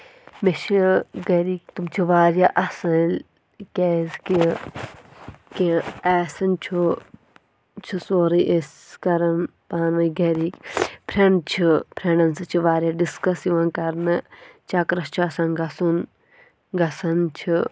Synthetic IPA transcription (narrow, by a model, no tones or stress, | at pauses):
meʃiɡɐɾiːkt̪umt͡ʃʰiʋaːɾʲjaʔɐsɐl | kʲeːzki | kiɛːsɐnt͡ʃʰu | t͡ʃʰusoːɾiʔes | kɐɾɐnpaːnʋɐjɡɐɾiːkpʰɾʲeɳt͡ʃʰipʰɾʲenɐnsɨt͡ʃʰiʋaːɾʲjɐɖiskɐsiʋɐnkɐɾnɨt͡ʃʰɐkɾɐst͡ʃʰuɐsɐnɡɐsun | ɡɐsɐnt͡ʃʰi